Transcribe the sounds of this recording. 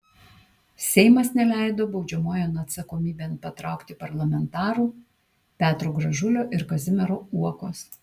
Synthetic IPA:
sʲɛɪmɐsnʲɛlʲæˑɪd̪oːbɒʊd͡ʒʲɛmoːjɛnɐt̪sɐkoːmʲiːbʲeːnpɐt̪ɾɑˑʊkt̪ʲɪpɐɾlˠɐmʲɛnt̪ɑːɾuː | pʲæːt̪ɾoːɡɾɐʒʊlʲoːʔɪɾkɐzʲɪmʲɛɾoːuɔkoːs

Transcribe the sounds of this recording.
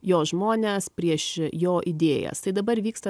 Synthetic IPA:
joːʒmoːnʲeːspʲɾʲiɛʃjoːʔɪd̪ʲeːjɛ̰st̪ɐɪd̪ɐbɐɾʋʲiːkst̪ɐ

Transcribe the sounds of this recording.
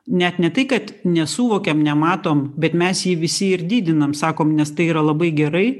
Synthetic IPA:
nʲɛt̪nʲɛt̪ɐɪkɐt̪nʲɛsuːʋoːkʲɛmnʲɛmɑːt̪oːmbʲɛt̪mʲɛsjiːʋʲɪsʲɪɪɾd̪ʲiːd̪ʲɪnɐmsɑːkoːmnʲɛst̪ɐɪiːɾɐlˠɐbɐɪɡʲɛɾɐɪ

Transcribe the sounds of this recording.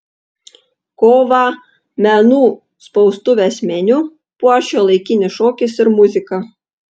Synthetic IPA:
koːʋɑˑ | mʲɛnuː | spɔʊst̪ʊʋʲesʲmʲɛnʲʊ | puɔʃʲoːlˠɐɪkʲɪnʲɪʃoːkʲɪsɪɾmʊzʲɪkɑ

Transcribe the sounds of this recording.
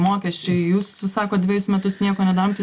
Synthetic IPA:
moːkʲɛsʲt͡ʃʲʊɪjuːssɑːkoːtdʲʋʲɪɛjʊsmʲɛt̪ʊsnʲiɛkoːnʲɛd̪ɑːɾt̪ʲ

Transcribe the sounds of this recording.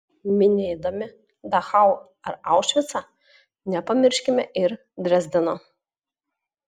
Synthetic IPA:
mʲɪnʲeːd̪ɐmʲɪ | d̪ɐxɑˑʊ | ɐɾɑˑʊʃʲʋʲɪt̪sɑ | nʲɛpɐmʲɪɾʲʃʲkʲɪmʲɛʔɪɾ | d̪ʲɾʲɛzʲd̪ʲɪno

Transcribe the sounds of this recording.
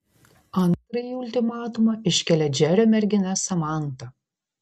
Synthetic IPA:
ɐnt̪ɾɐjiʊlʲt̪ʲɪmɑːt̪ʊmɐʔɪʃʲkʲɛlʲɛd͡ʒʲæɾʲoːmʲɛɾʲɡʲɪnʲɛsɐmɑˑnt̪ɐ

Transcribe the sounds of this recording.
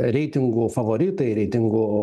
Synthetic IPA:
ɾʲɛɪt̪ʲɪŋɡʊfɐʋoɾʲɪt̪ɐɪɾʲɛɪt̪ʲɪŋɡʊ

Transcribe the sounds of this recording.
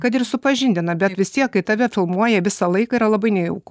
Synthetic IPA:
kɐt̪̬ɪɾsʊpɐʒʲɪnʲd̪ʲɪnɐbʲɛt̪ʋʲɪst̪ʲiɛkːɐɪt̪ɐʋʲɛfʲɪlˠmuɔjɛʋʲɪsɐlˠɐɪkɐiːɾɐlˠɐbɐɪnʲɛɪɛʊk

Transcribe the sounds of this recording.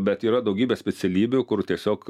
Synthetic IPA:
bʲɛt̪iːɾɐd̪ɐʊɡʲiːbʲeːsʲpʲɛt̪sʲɛlʲiːbʲʊkʊrt̪ʲiɛsʲoːk

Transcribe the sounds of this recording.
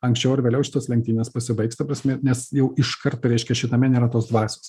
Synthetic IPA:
ɐŋksʲt͡ʃʲɛʊɐɾʋʲeːlʲɛʊʃʲɪt̪oːslʲɛŋkt̪ʲiːnʲeːspɐsʲɪbɐɪkst̪ɐpɾɐsʲmʲɛnʲɛsjɛʊɪʃkɐrt̪ɾʲɛɪʃʲkʲɛʃʲɪt̪ɐmʲɛnʲeːɾɐt̪oːsd̪ʋɑːsʲo̥ːs

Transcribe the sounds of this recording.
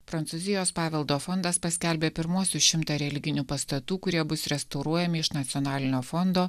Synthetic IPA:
pɾɐnt̪suzʲɪjoːspɑːʋʲɛlˠd̪oːfɔnd̪ɐspɐsʲkʲælʲbʲeːpʲɪɾmuɔsʲuʃʲɪmt̪ɐɾʲɛlʲɪɡʲɪnʲuːpɐst̪ɐt̪uːkʊɾʲiɛbʊsɾʲɛst̪ɐʊɾuɔjɛmʲɪɪʃnɐt̪sʲɪɔnɑːlʲɪnʲoːfɔnd̪oː

